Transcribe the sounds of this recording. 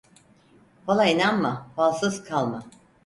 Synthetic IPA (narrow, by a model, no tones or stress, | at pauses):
falˠainanmafalˠsɯzkʰalˠma